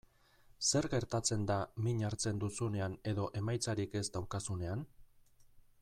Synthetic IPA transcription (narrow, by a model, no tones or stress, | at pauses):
se̞ɾɣe̞ɾt̪at͡se̞nd̪amiɲaɾt͡se̞nd̪usune̞ane̞ðo̞ʔe̞majt͡saɾike̞zd̪awkasune̞an